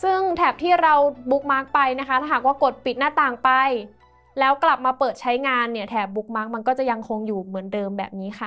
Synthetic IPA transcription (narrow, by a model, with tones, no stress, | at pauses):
sɯ˥˩ŋt̪ʰɛː˨˩p̚t̪ʰiː˥˩ɾa˧wbu˦˥k̚maː˦˥k̚pa˧jna˦˥kʰa˦˥t̪ʰaː˥˩ɦaː˨˩k̚waː˥˩ko˨˩t̪̚pi˨˩t̪̚naː˥˩t̪aː˨˩ŋpa˧j | lɛː˦˥wkla˨˩p̚maː˧pɤː˨˩t̪̚t͡ɕʰa˦˥jŋaː˧nːi˥˩ɐt̪ʰɛː˨˩p̚bu˦˥k̚maː˦˥k̚ma˧nkɔː˥˩t͡ɕa˨˩ja˧ŋkʰo˧ŋjuː˨˩mɯ˩˦əndɤː˧mbɛ̰ː˨˩p̚niː˦˥xʰa˥˩